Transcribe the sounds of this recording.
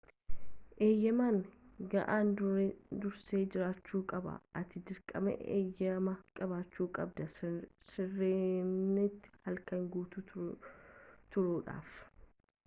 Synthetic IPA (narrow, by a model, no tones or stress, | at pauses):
ʔe̞ːjːɐmaːŋɡɐʔaːnd̪ʊɾd̪ʊɾse̞ːd͡ʒɪɾaːt͡ʃːuːkʼɐbɐ̰ɐt̪ɪd̪ɪɾkʼɐmɛ̰ḛːjːɐmɐkʼɐβaːt͡ʃːuːkʼɐb̚d̪ɐsɪrːeːnːɪt̪ːɪ̥hɐlkɐŋɡuːt̪u | t̪ʊɾuːᶑa̰ːf